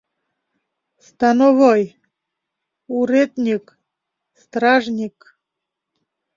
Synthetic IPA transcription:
st̪anovoj | uɾet̪nʲik | st̪ɾaʐnʲik

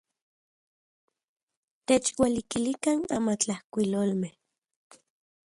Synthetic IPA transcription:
t̪et͡ʃwalikilikana̰mat͡ɬahkʷiloːlmeh

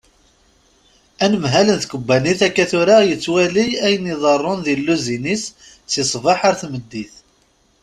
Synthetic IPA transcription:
ænəmɦælənθkəbːæniθækːæθʊɾajət͡sːwæliæjəniðˤɑrˤːʊnðilːuzinisː | ɪsˤvɑħaɾθməd̪ːiθ

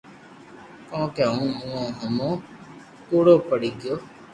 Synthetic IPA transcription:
kɔ̃ːkẽũːũːõːɦəmõː | t̪oːɽoːpəɽiːɡɪjoː

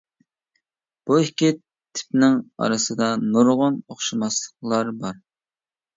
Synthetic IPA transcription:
b̥uɪkʲit̪ʰːɪ̥pnɪŋɑ̰ɾɨsɨd̪ɑnoɾʁʊnoχʃɨmɑslˠəχlˠɑɾbɑɾ

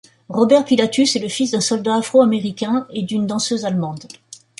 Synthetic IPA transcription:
ʁɔbɛʁpilat̪ysɛləfisd̪ɛ̃sɔld̪aːfχoameʁikʲɛ̃ed̪ynd̪ɑ̃søzalmɑ̃d̪

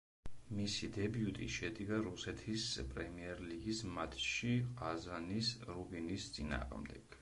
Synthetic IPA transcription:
misid̪ɛbiut̪ʼḭʃɛd̪iɡaɾusɛt̪ʰispʼɾɛmiɛɾliɡismat̪ʰʃiazanisɾubinist̪sʼina̰ːʁmd̪ɛɡ̥

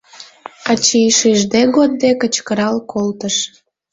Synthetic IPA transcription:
ɑt͡ɕiʃeʒd̪eɣod̪̚ːekət͡ɕkəɾɑlkolt̪əʃ

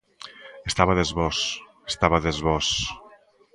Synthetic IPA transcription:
est̪aβəðezβɔs | e̥st̪aβəðezβɔs

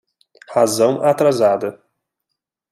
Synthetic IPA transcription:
hazɐ̃w̃ʔat̪ɾazad̪ɐ

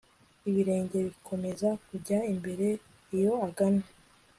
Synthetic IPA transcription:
iβiɾe̞ːɲɟe̞βikʰo̞me̞zakuɟaimbe̞ɾe̞ | ijo̞aɡana

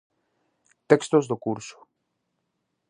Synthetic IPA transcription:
t̪ekst̪ozd̪okuɾsu̥

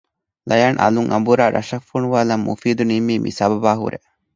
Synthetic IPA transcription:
lɐjaːnʔɐ̰luŋʔɐ̰mbuɾaːɾʔɐʃɐfuɳuʋaːlɐmːṵfiːd̪unimiːmḭsɐbɐbaːɦṵɾḛ

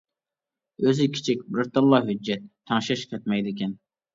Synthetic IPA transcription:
øzɪkʲʰɪ̥t͡ʃʰik̚ʲbɾɾt̪ɨmlˠɑɦyd͡ʒːɛt̪ʰːɑŋʃɛʃqʲʰɛt̪mɛjd̪ɪkʲɛn

